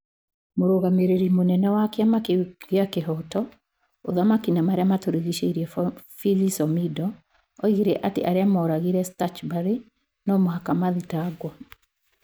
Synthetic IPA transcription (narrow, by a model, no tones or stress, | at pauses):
moɾoɣameɾeɾimonɛnɛwakeamakeɣeakeɦɔtɔ | oðamakinamaɾeamatoɾiɣiʃeiɾiɛfilisɔmidɔː | iɣeɾɛʔatḛʔaɾeamɔːɾaɣiɾɛstat͡ʃbaɾi | nɔmoɦakamaðitaɡwɔ